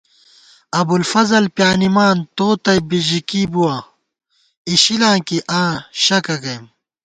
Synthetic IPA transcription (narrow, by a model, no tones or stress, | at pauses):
ɐbulfɐzɐlpjaːnimaːnt̪oːt̪ɐjbiʑikibuwaː | iɕilãːkiʔãːɕɐkɐɡɐjm